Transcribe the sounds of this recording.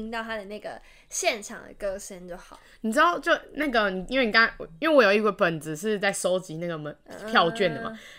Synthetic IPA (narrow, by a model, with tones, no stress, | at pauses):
i˥ŋt̪ɑ˥˩ʊt̪ʰa˥d̪ə˨na˥˩ɡə̰˩ | ɕjɛ˥˩nʈ͡ʂʰɑ̰˨˩ŋd̪ə̰˩kɤ˥ʂə˦˥nt͡ɕjo˥˩ʊxɑ˨˩˦ni˨˩ʈ͡ʂɻ̩˥d̪ɑ˥˩ʊt͡ɕjo˥˩ʊna˥˩ɡə˩ni˨˩i˥nwe˥˩ni˨˧ka˥ŋ˨˩i˥nwe˥˩wɔ˦˥jo˨˩ʊi˥wə˧pə˨˩nd͡zɹ̩˧˦ʂ̬ɻ̩˥˧t͡sa˥˩ɪso˥ʊt͡ɕi˨˦na˥˩ɡə˩mə˨˦pʰjɑ˥˧ʊt͡ɕɥɛ˥˩nd̪ə˩mɐ̰˨˩